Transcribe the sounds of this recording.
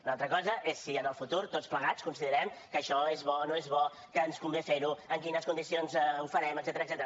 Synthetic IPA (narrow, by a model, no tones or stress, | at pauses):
unalˠt̪ɾəkɔzəʔesːiənəlˠfut̪uɾt̪otspləɣat͡skunsiðəɾɛmkəʃɔezβɔnoezβɔ | kəːnskumbefeɾuəŋkinəskund̪isionzufəɾɛməɡzɛt̪əɾəkzɛt̪əɾə